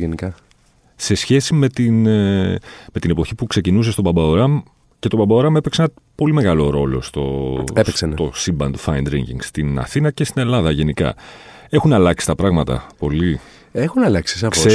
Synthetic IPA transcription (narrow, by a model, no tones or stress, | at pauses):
enikɐ | se̞sçe̞sime̞t̪in | me̞t̪ine̞po̞çipukse̞cinus̬est̪o̞bɐbɐoɾɐm | ce̞t̪o̞bɐbɐoɾɐme̞peksenɐ | po̞lime̞ɣɐlo̞ɾo̞lo̞̰st̪o̞̰epeksent̪osimbɐ̰nt̪u̥fɐjnd̪ɾḭɲcḭŋɡst̪inɐ̰θinɐce̞st̪ine̞lɐðɐʝe̞nikɐ̰ | e̞xunɐlɐksi̥t̪ɐpɾɐɣmɐt̪ɐ̰po̞li | exunɐlɐksisɐfsoe